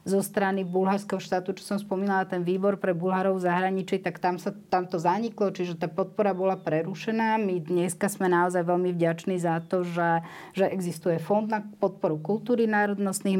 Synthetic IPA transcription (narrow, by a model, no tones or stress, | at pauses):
zɔst̪ɾanibulɦaɾskɛɦɔʃt̪aːt̪ut͡ʃɔ̥sɔmspɔmiːnalat̪ɛnʋiːbɔɾpɾɛbulɦaɾɔʊzaɦɾaɲit͡ʃit̪akt̪amsat̪amt̪ɔzaɲiklɔt͡ʃiʒɛt̪aːpɔt̪̚pɔɾabɔlapɾɛɾuʃɛnaːmid̪ɲɛskasmɛnaɔzajʋɛlmivɟat͡ʃniːzat̪ɔʒɛ | ʒɛʔɛɡzist̪ujɛfɔnd̪napɔt̪̚pɔɾukult̪uːɾinaːɾɔd̪nɔst̪ni